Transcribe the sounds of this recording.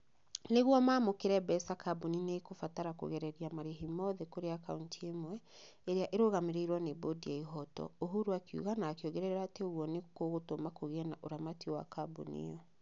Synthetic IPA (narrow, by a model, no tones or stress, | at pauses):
neɣwɔmaːmokeɾɛbɛsakʰabuninekofataɾako̰ɣɛɾɛɾiamaɾeɦimɔðɛkoɾeaka̰untʰiemwɛ | eɾeaʔeɾoɣameɾeiɾwɔnebodiɛiɦɔtɔ̰oɦuɾuakjṵɣanaːkeoɣɛɾɛɾeɾateoɣwɔnekoɣotomakoɣɛnaʔoɾamatiwa̰kabṵnḭɔ